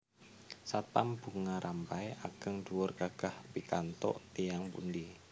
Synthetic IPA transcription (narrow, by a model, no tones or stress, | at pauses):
sat̪amb̥uŋaɾʔampajʔaɡ̥əŋduwʊrkaɡ̥ahpikant̪ɔ̰ʔt̪ijaŋpṵndi